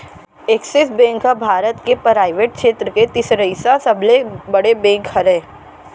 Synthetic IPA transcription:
eːksɪsbẽːŋkɦɐbʱaːɾət̪kepɾaːɪʋeːʈ̚kʃeːt̪ɾəket̪ɪsɾəisasɐblebɐɽebẽːŋkhɐɾẽː

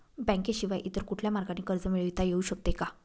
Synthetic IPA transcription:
bɛ̃ŋkeɕiʋajʔit̪əɾkuʈʰljamaɾɡaniːkəɾd͡zəmiɭit̪ajeuːɕək̚t̪eka

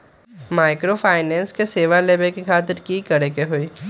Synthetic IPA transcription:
maːɪkɾopʰaːɪnɛ̃ːnskeseːʋaleːbekekʰaːt̪ɪɾkikəɾekeɦoiː

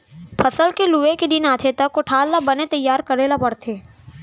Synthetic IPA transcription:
pʰɐsəlkeluʋeked̪ɪnaːt̪ʰet̪ɐkːoʈʰaːlːabɐnet̪ɐjːaːɾkɐɾelabɐɽt̪ʰeː

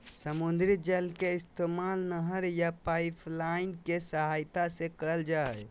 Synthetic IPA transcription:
səmund̪ɾid͡ʒəlkeɪst̪emalnəɦəɾjapaipʰlaɪnkesəɦajt̪asekəɽəld͡ʒa

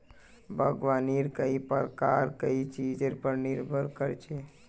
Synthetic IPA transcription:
bʱəɡʋaːniːɾkəipəɾkaːɾkəit͡ʃid͡ʒeɾpəɾnɪɾbʱəɾkəɾt͡ʃʰe

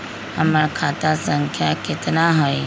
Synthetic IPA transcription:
əmakʰat̪asəŋkʰjakɪt̪naɦoj

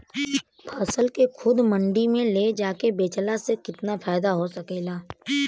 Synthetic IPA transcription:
pʰaːsəlkekʰʊd̪mɐ̃ɳɖimẽled͡ʒaːkebeːt͡ʃlasekɪt̪nafʰaːɪd̪aɦosɐkeːlaː

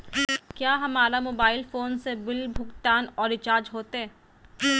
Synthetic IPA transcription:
kjaːɦɐmaːɾamoːbaːɪlfoːnsebɪlbʱʊɡt̪aːnɔːɾɪt͡ʃaːɾd͡ʒɦoːt̪eɛː

